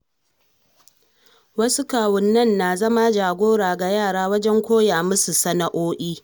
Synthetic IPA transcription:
wɐ˦su˦kaː˨wʊ˨nːɐ˦˨nːa˨zɐ˦ma˦d͡ʒaː˨ɡʷoː˦ɽaː˨ɡa˨jaː˦˨ɽaː˦wɐ˦d͡ʒɛ˦ŋkʷoː˦jaː˨mʊ˦su˨sɐ˦na˨ʔoː˦ʔiː˦

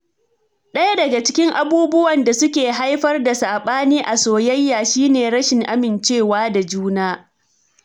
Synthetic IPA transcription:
ɗɐ˦ja˦dɐ˨ɡa˨t͡ʃɪ˦kʲɪ˦ŋʔa˨buː˦bʊ˦wɐ˨nda˨sʊ˦kʲeː˨ɦa˦jɸɐ˦rda˨saː˨ɓaː˦niː˦ʔa˨soː˨jɐ˦jːaː˨ʃiː˦neː˨ɽɐ˦ʃɪ˨ŋʔa˦mɪ˨nt͡ʃeː˦˨waː˦da˨d͡ʒuː˦naː˦

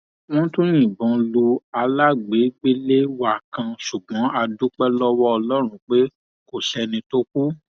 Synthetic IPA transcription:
w̃ɔ̃˦tũ˦nĩ˨bɔ̃˨˧lu˧a˧la˦ɡ͡be˨˦ɡ͡be˦le˦wa˦˨kã˧ʃu˨ɡ͡bɔ̃˨˦a˧du˦k͡pɛ˦lɔ˦wɔ˦ɔ˧lɔ˦ɾ̃ũ˦k͡pe˦ | ko˨ʃɛ˧nĩ˧to˦k̚u˦

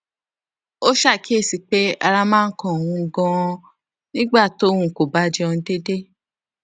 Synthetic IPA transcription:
o˦ʃa˦˨ki˦e˦˨si˨k͡pe˦a˧ɾa˧mãː˦˧n̩˦kɔ̃˦˨o˨wũ˧˦ɡɔ̃˧ | nĩ˦ɡ͡ba˦˨to˨˦wũ˧˨ko˨ba˦d͡ʒe˧ɔ̃˧n̩˧˦de˦de˦

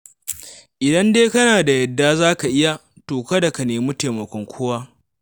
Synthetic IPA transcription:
ʔɪ˨dɐ˦ndeː˦kɐ˦naː˨da˨jɐ˨dːaː˦zaː˦ka˨ʔɪ˦ja˦ | toː˨kɐ˦da˨ka˨neː˨mu˦teː˨mɐ˨kʷɔ˦ŋkʷʰoː˦waː˦

